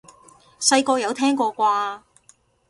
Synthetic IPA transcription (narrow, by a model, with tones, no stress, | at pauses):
sɐ˧jkɔː˧jɐ˨˧wt̪ʰɛː˥ŋkɔː˧kʷaː˧